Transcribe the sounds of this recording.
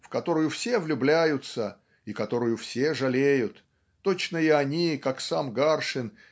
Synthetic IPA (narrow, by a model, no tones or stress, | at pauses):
fkɐt̪o̞ɾəjʊfsʲe̞vlʲʊblʲæjʊt̪sə | ikɐt̪o̞ɾʊjʊfsʲeʐɐlʲejʊt̪ː | ot͡ɕnəɪɐnʲikaksamɡarʂɨn